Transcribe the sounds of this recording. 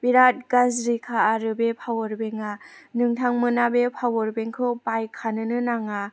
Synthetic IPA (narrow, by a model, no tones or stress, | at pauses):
biɾat̚ɡazɾikʰaːɾɯbepʰawɔɾbeŋanɯŋtʰaŋmɯnabepʰawɔɾbeŋkʰɯpajkʰanɯnɯnaŋa